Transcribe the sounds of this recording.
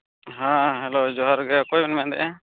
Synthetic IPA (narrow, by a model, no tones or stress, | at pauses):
ɦãɦɛlod͡ʒɔɦaɾɡɛakɔjmɛnmɛ̃ʔd̪ɛ̰ʔɛ